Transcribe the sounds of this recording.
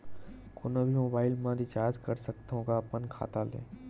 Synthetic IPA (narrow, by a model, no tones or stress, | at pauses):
koːnobʱimoːbaːɪlmãɾɪt͡ʃaːd͡ʒkəɾsəkt̪ɦõkapənkʰa̰ːt̪alḛ̃ː